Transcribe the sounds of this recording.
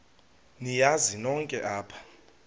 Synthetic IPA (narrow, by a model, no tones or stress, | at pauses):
nijazinɔŋkʼɛʔaːpʰḁ